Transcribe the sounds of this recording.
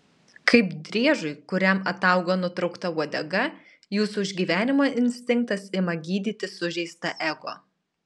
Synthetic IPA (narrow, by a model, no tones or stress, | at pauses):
kɐɪpd̪ʲɾʲiɛʒʊɪkʊɾʲɛmɐt̪ɐˑʊɡoːnʊt̪ɾɐʊkt̪ɐʋuɔd̪ʲɛɡɐ | juːsuɪʒʲɡʲiːʋʲæːnʲɪmoːʔɪnʲsʲt̪ʲɪŋk̚t̪ɐsɪmɐɡʲiːd̪ʲiːt̪ʲɪsʊʒʲɛɪst̪ɐʔɛɡo̰ː